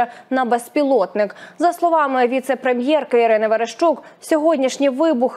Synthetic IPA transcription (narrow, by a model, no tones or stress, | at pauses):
ɐnɐbespʲilˠɔt̪nɪkzɐslˠɔʋɑmɪʋʲit̪sɛpɾemʲjɛrkɐiɾɪnɪʋeɾeʃt͡ʃuksʲɔɦɔdʲnʲiʃnʲijʋɪbʊx